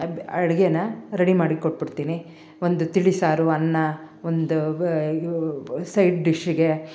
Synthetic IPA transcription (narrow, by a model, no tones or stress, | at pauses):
ɐɽɡenɐɾɐɽimaːɽikoʈ̚ːbiɽt̪iːni | ond̪ut̪iɭisaːɾuɐnːɐ | ond̪u | sɐjʈ̚ɖiʃiɡe̞